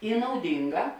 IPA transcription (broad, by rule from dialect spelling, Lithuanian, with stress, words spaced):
ɪ nɐʊˈdʲɪŋˌɡɑː